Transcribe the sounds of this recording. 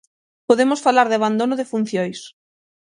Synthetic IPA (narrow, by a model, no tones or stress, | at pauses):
poðemosfalaɾðɪaβand̪onʊðɪfun̟θjojs